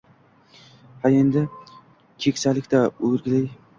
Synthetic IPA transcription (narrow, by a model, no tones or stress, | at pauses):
hae̞nd̪ɪ | kʲʰekʲsalɪkʲt̪aɵɾɡʲɪlɪj